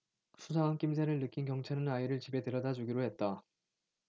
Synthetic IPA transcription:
sʰusʰaɦank͈ims̬ʰeɾɯɭnɯk͈ʰinkjʌŋt͡ɕʰaɾɯnaiɾɯɭt͡ɕibe̞tɯɾʌdad͡ʑuɡiɾoɦe̞t̚t͈a

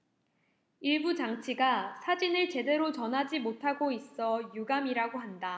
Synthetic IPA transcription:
iɭbut͡ɕaŋt͡ɕʰiɡasʰad͡ʑinɯɭt͡ɕe̞de̞ɾot͡ɕʌnɦad͡ʑimotʰaɡois͈ʌjuɡamiɾaɡoɦanda

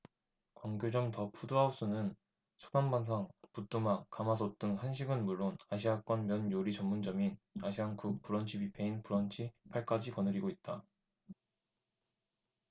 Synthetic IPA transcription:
kwaŋɡjod͡ʑʌmtʌpʰuduaos͈unɯn | sʰo̥nanbans̬ʰaŋput͈umakamas̬ʰot͈ɯŋhanɕ̬ʰiɡɯnmuɭːonaɕʰiak͈wʌnmjʌnjoɾit͡ɕʌmːund͡ʑʌmina̰ɕʰiankʰuk̚p͈uɾʌnt͡ɕʰipipʰe̞inpuɾʌnt͡ɕʰipʰaɭk͈ad͡ʑikʌnɯɾiɡoit̚t͈a

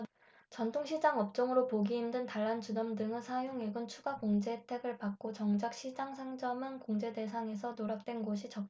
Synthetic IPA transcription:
t͡ɕʌntʰoŋɕʰid͡ʑaŋʌp̚t͡ɕ͈ʌŋɯɾopoɡiːmdɯntaɭːant͡ɕunʌmdɯŋɯnsʰajoŋeɡɯnt͡ɕʰuɡakoŋd͡ʑe̞tʰe̞ɡɯɭpak̚k͈ot͡ɕʌŋd͡ʑak̚ɕʰid͡ʑaŋsʰaŋd͡ʑʌmɯnkoŋd͡ʑe̞de̞sʰaŋe̞sʰʌnoɾak̚t͈wenɡoɕ̬ʰit͡ɕʌp̚

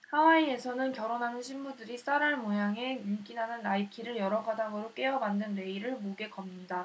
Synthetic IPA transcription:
hawaie̞sʰʌnɯnkjʌɾonɦanɯnɕʰimbudɯɾis͈aɾaɭmojaŋe̞mumk͈inɦanɯnːaikʰiɾɯɭjʌɾʌɡadaɡʌɾok͈e̞ʌmanːɯnːe̞iɾɯɭmoɡe̞ɡʌmɲida

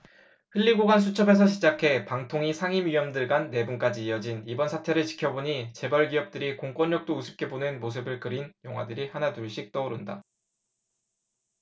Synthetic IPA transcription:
hɯʎːiɡoɡans̬ʰut͡ɕʰʌbe̞s̬ʰʌɕ̬ʰid͡ʑakʰe̞paŋtʰoŋisʰaŋimɥijʌmdɯɭɡanːe̞bunk͈ad͡ʑiːʌd͡ʑinibʌnsʰatʰe̞ɾɯɭt͡ɕi̥kʰjʌboɲit͡ɕe̞bʌɭɡiʌp̚t͈ɯɾikoŋk͈wʌɲːʌk̚t͈ousʰɯ̥p̚k͈e̞bonɯnmos̬ʰɯbɯɭkɯɾinjʌŋwa̰dɯɾihanatuɭɕ͈ik̚t͈ʌuɾunda

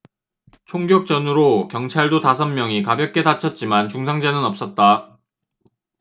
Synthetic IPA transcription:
t͡ɕʰoŋɡjʌk̚t͡ɕ͈ʌnɯɾokjʌŋt͡ɕʰaɭdotasʰʌnmjʌŋikabjʌk̚k͈e̞tat͡ɕʰʌt̚t͡ɕ͈imant͡ɕuŋsʰaŋd͡ʑenɯnʌp̚s͈ʌt̚t͈a

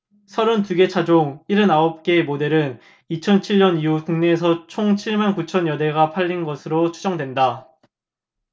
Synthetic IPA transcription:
sʰʌɾɯntuɡe̞t͡ɕʰad͡ʑoŋiɾɯnaʌp̚k͈e̞mode̞ɾɯn | it͡ɕʰʌnt͡ɕʰiɭɲʌniukuŋneːs̬ʰʌt͡ɕʰoŋt͡ɕʰiɭmankut͡ɕʰʌnjʌde̞ɡapʰaʎːinɡʌsʰɯɾot͡ɕʰud͡ʑʌŋdwe̞nda

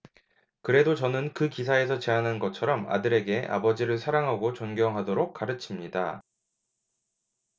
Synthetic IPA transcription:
kɯɾe̞dot͡ɕʌnɯnkɯkisʰae̞sʰʌt͡ɕe̞anɯnɡʌt͡ɕʰʌɾʌma̰dɯɾe̞ɡe̞ʔa̰bʌd͡ʑiɾɯɭsʰaɾaŋɦaɡot͡ɕonɡjʌŋɦadoɾok̚k͈aɾɯt͡ɕʰimɲida

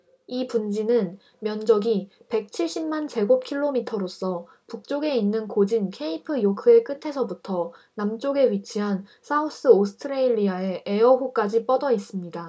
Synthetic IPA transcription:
ipund͡ʑinɯn | mjʌnd͡ʑʌɡi | pe̞k̚t͡ɕʰiɭɕ͈immːant͡ɕe̞ɡop̚kʰiɭːomitʰʌɾos͈ʰʌ | puk̚t͡ɕ͈oɡe̞inːɯnkod͡ʑinkʰe̞ipʰɯjokʰɯe̞k͈ɯtʰe̞sʰʌbutʰʌnamt͡ɕ͈oɡe̞ɥit͡ɕʰiɦansʰaos͈ɯosʰɯ̥tʰɯɾeiʎːiae̞eʌɦuk͈ad͡ʑip͈ʌdʌis͈ɯmɲida

